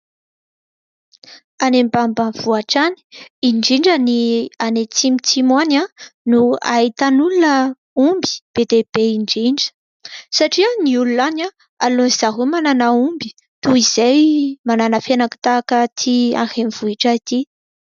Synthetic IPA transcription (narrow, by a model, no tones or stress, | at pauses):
anembambanv̥uaʈ͡ʂani̥iɳɖ͡ʐiɳɖ͡ʐənianet͡simit͡simananua̰it̪anulunə | umbi̥b̥ed̪eb̥eiɳɖ͡ʐiɳɖ͡ʐə̥ | saʈ͡ʂiəniulunana | aloiz̥aɦumananaumbi̥ | t̪uiz̥ajmananafanakə̥t̪akət̪ʰia̰xemiv̥uiʈ͡ʂait̪i